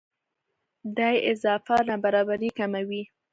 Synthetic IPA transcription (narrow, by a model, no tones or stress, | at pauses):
d̪ɑjɪzɑfanabaɾɑbaɾikamawi